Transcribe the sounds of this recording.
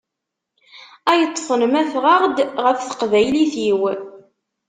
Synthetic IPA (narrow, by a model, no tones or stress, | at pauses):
æjət̪ˤːfənmæθʁɑʁd̪ʁəfθə̥qvæjliθiw